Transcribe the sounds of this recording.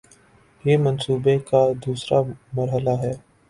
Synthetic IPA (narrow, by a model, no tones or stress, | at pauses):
jeːmɐnsuːbekad̪uːsɾamɐɾɦəlaɦɛː